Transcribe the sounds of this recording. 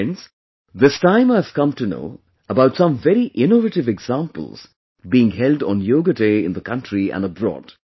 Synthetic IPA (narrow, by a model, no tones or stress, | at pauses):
ns | ðɪstãɪ̃maɪəv̥kʌ̃mtɨno̰ʊ | əbaʊtsʌ̃ɱvɛɾiʔɪ̃novətɨvɨɡz̥ãmpə̰l̩ˠz̥ | biɪ̃ŋhɛlˠdn̩joːɡədeɪɪ̰̃nðəkʰʌ̃ntɹiæ̰̃nəbɹɔ̰ːd̥